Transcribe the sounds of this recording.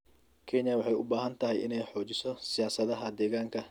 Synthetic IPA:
kʰe̞ːɲːjaːwɐħɪjʊbːaːhɐnt̪ːɐhɐjʔɪ̰nɛħo̞ːd͡ʒɪsɔsɪjaːsɐd̪ɐɦaːd̪ːeːɡaːŋkɐ

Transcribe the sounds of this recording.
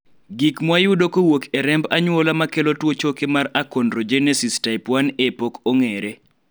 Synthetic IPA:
ɡikmwajudokowokɛɾɛmbaɲwolamakelotwot͡ʃokemarakɔndɾod͡ʒenɛsistaɪpwanepokoŋeɾe

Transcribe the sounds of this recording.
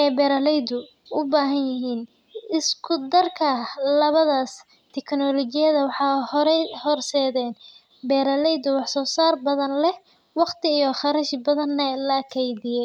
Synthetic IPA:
ʔɛjbɛːɾɐlɛjd̪ʊ | ʔʊbaːɦɐnjɪɦiːn | ɪskʰʊd̪ɐrkʰɐlɐβɐðaːs | t̪ʰɛkʰnɔlɔt͡ʃɪjɐðɐwɑħɑːhɔɾɛhɔrsɛːðɛːn | bɛːɾɐlɛjd̪ʊwɑħsɔːsaːrbɐðɐnlɛh | wɑqt̪ʰɪijɔχɑɾɐʃbɐðɐnːɛlɐkʰɛjdɪjɛ

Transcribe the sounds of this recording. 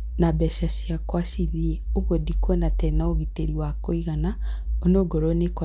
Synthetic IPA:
nabɛʃaʃiakwaʃiðieoβwodikwɔnatɛnaoɣiteɾiwakoiɣana | onoɡoɾonekɔ

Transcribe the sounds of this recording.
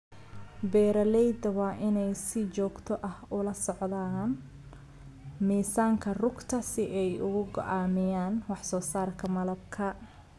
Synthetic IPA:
bɛːɾɐlɛjd̪ɐwɑːʔɪnɛjsɪt͡ʃɔːɡt̪ʰɔʔɐhʊlɐsɔʕðaːn | miːsaːŋkʰɐrʊɡt̪ʰɐsɪʔɛjʊɣʊɡɔ̰ʔaːmɪjaːnwɑħsɔːsaːrkʰɐmɐlɐbkʰɐ

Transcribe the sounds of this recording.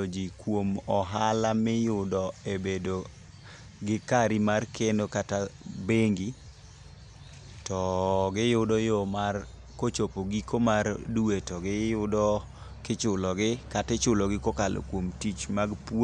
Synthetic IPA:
od͡ʒikwomɔɦalamɪjʊdɔebedo | ɡɪkaɾimarkʰenokatabeŋɡi | tɔɡɪjʊdɔjɔmar | kot͡ʃopoɡikomarduetɔɡɪjʊdɔ | kɪt͡ʃʊlɔɡɪkatɪt͡ʃʊlɔɡɪkɔkalʔo̰kwomtit͡ʃmaɡpw

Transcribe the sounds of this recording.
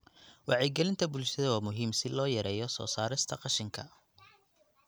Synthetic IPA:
wɑʕɛɡɛlɪnt̪ʰɐbʊlʃɐðɐwaːmʊɦiːmsɪlɔːjɐɾɛːjɔsɔ̰ːsaːɾɪst̪ʰɐqɑʃɪŋkʰɐ

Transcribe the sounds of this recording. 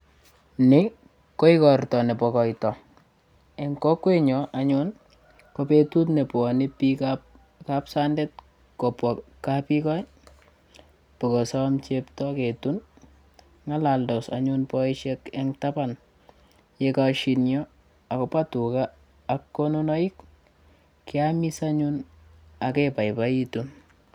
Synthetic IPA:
nɪ | koikɔrtɔnɛpɔkɔjtɔ | eŋkɔkweɲɔʔaɲʊn | kopetutnɛpɔnɪpika | kapsandɛt̚ | kopwɔkːapikɔj | pɪkɔsɔmt͡ʃeptɔketun | ŋalaldɔsa̰ɲʊnpɔiʃɛkɛŋtapan | jekaʃinjɔ | akɔpatukaː | kːɔnunɔik | kɪamisaɲun | akɛpajpaitun

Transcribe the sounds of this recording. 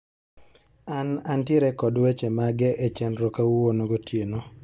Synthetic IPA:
anantjeɾɛkɔdwet͡ʃemaɡɛʔet͡ʃɛnɾɔkawuwonoɡotʰjeno

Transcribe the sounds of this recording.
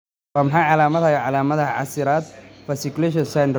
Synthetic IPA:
aːmɐħɑːʕɑlaːmɐðhɐjaʕɑlaːmɐðɐʕɑ̰sɪɾaːd̪fɐsɪkʊlɛːʃ̬ɔnsɛn

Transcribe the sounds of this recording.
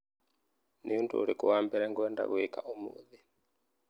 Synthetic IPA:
nijuntṵːɾikuwambɛɾɛŋɡuɛnda̰βuikaʔumṵði

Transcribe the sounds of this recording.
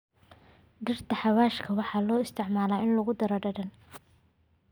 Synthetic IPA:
ɖɪrt̪ʰɐħɑwaːʃkʰɐwɑħɑːlɔːɪst̪ʰɪʕmaːlaːɪnlɐɣʊd̪ɐɾɔɖɐɖɐn

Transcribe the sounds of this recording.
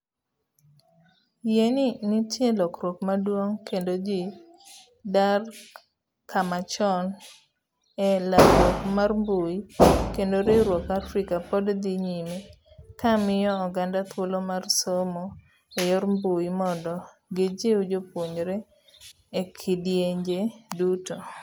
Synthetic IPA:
jeninɪtjelɔkɾokmadwoŋkendod͡ʒi | dar | kʰamat͡ʃɔn | ɛlaɔkmarmboikendoɾeɾwokafɾɪkapɔdd̪iɲimi | kamɪjɔːɡandat̪ʰwolomarsomo | ejɔɾmbujimɔndɔ | ɡed͡ʒeud͡ʒopoɲɾeː | kʰɪdjeɲd͡ʒeduto

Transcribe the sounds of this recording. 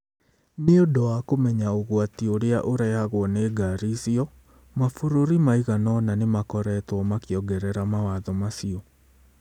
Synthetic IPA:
neodɔwakomɛɲaoɣwatioɾeaʔoɾaehaɣwɔneːɡaɾisiɔ | mafoɾoɾimaiɣanɔnanemakɔɾɛtwɔmakiɔɡɛɾɛɾamawaðɔmasiɔ

